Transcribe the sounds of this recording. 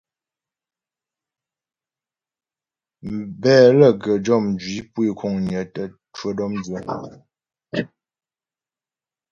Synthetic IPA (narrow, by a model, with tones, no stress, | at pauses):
mbɛː˦˨lə˦˨ɡə˨d͡ʒɔ˦˨mn˨d͡ʒɥi˨˦pwi˦˨kʰɔ˨ŋɲə˨˦tə˦ | twə˦dɔ˦md͡ʒə˦